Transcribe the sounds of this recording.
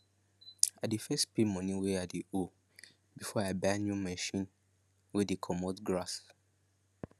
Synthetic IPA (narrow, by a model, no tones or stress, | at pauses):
adifɛstpimɔ̃nĩweadio | bifɔabanjumɛʃĩn | widikʰɔmɔtɡɹas